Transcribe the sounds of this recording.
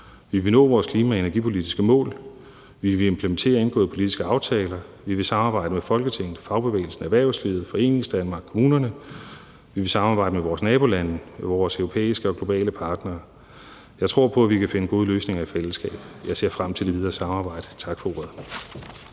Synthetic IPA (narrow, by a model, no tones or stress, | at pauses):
ʋiʋe̝nɔ̰̽ːʋɒːskʰliːmæe̝næɐɡ̥ipʰo̝lid̥isɡ̥əmɔ̰̽ːl | ʋiʋe̝empʰləment͡sʰe̝̰ːɐe̝nɡ̥ɔ̰ːð̩ˠpʰo̝lid̥isɡ̥əɑ̈ʊt͡sʰɛːlɐʋiʋe̝sɑ̈mɑ̈ːb̥ɑ̈ɪ̰d̥əmefɒ̽lɡ̥ət͡sʰe̝ŋ̰n̩ˠfɑ̈ʊb̥e̝ʋḛːɪl̩sn̩æʋæɐʊslið̩ˠfɒ̽e̝̰ːne̝ŋsd̥ænmɑ̈ːɡ̥kʰomuːnɐnə | ʋiʋe̝sɑ̈mɑ̈ːbɑ̈ɪ̰d̥əmeʋɒːsnɛːb̥o̝lænmʋɒːsœʊʁopʰḛːisɡ̥əɒ̽ɡ̥lo̝b̥ɛ̰ːləpʰɑ̈ːd̥nɐː | jɑ̈ɪt͡sʰʁo̝ɐ̰pʰɒ̽æʋikʰæfe̝nəɡ̥o̝ːð̞ˠəløːsne̝ŋɐifel̰sɡ̥ɛ̰ːb̥jɑ̈ɪse̝ɐ̰fʁam̰t͡sʰeld̥e̝ʋið̞ˠɐːsɑ̈mɑ̈ːb̥ɑ̈ɪ̰d̥ə̥t͡sʰɑ̈ɡ̥fɒo̰ɐðˠ